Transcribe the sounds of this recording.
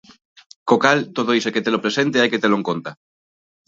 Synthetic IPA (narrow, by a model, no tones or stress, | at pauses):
kokalt̪oðoiseket̪elopɾesent̪eajket̪eloeŋkont̪a